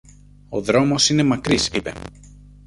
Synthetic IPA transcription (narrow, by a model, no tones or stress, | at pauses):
o̞ðɾo̞mo̞sine̞mɐkɾisipe̞̰